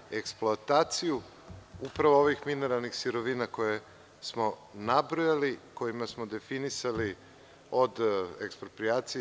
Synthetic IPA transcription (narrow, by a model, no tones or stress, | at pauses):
e̞ksplˠoat̪aːt̪siju | upɾaʋooʋixmine̞ɾalˠnixsiɾo̞ʋinako̞je | smo̞nabɾojaliko̞jimasmod̪e̞finisali | o̞d̪ḛkspɾopɾiaːt̪sij